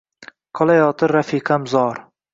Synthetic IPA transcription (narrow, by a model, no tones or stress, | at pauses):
qʰɒlˠajɒːt̪ʰɪɾɾafiːqʰɑmzɒɾ